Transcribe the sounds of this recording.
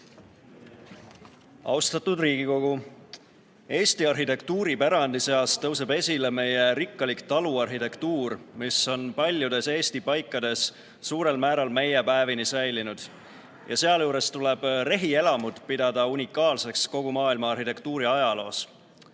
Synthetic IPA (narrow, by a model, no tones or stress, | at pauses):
ɑ̰wst̪ɑt̪ud̪riːɡ̥iko̞ɡ̥u | e̞ːst̪iɑrɦit̪e̞kt̪uːɾipæɾɑnd̪ise̞ɑst̪ɤws̬e̞be̞sʲile̞me̞jeɾikːˑɑlikt̪ɑluɑrɦit̪e̞kt̪uːrmiso̞npɑlʲjud̪̥e̞se̞ːst̪ipɑjkːɑd̪̥e̞s | suːɾe̞lmæːɾɑlme̞jepæevinisæjlinud̪̥ | jʔɑ̰se̞ɑljuːɾe̞st̪ule̞b̥re̞ɦie̞lɑmud̪̥pid̪̥ɑd̪̥ɑunʲikːˑɑːlse̞ksko̞ɡ̥umɑːilmɑɑrhit̪e̞kt̪uːɾiɑjɑlo̞ːs